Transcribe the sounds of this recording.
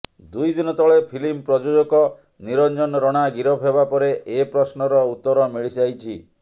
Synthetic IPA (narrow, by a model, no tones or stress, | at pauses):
d̪ujd̪inɔt̪ɔɭepʰilimpɾɔd͡ʒod͡ʒokɔ | niɾɔnd͡ʒɔnɔɾɔɽ̃aɡiɾɔpʰebapɔɾeʔepɾɔsnɔɾɔut̪ːɔɾɔmiɭisajt͡ʃʰi